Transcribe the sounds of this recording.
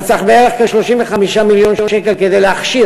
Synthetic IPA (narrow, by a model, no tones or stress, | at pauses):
t͡saχbeeʁeχkaʃloʃiɱveχamiʃamiljo̞noʃekelked̪ejleaχʃi